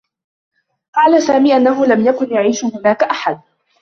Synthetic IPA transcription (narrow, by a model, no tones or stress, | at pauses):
qɑːlasaːmiːʔanːaɦʊlamjakʊnjaʕiːʃʊhʊnaːkaʔaħad̪̚